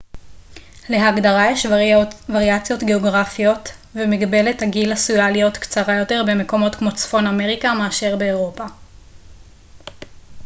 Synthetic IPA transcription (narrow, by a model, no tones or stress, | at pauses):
le̞ɦaɡdaʁajeʃvaʁiat͡sjo̞tɡe̞o̞ɡʁafijo̞tvemiɡbe̞le̞thaɡilasujalijo̞tkt͡saʁajo̞te̞ʁbe̞me̞ko̞mo̞tkmo̞t͡sfo̞name̞ʁikameaʃe̞ʁbe̞ːʁo̞pa